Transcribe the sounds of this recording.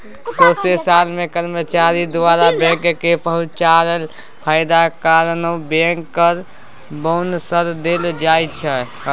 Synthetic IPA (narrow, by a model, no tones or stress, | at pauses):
sosesalmekəɾmət͡ʃaɾid̪oaɾabɛ̃ŋkkepəɦʊ̃t͡ʃaɾəl | pʰəɪd̪akaɾənobẽŋkːəɾ | boʊnsəɾd̪eld͡ʒaːjt͡ʃʰɛ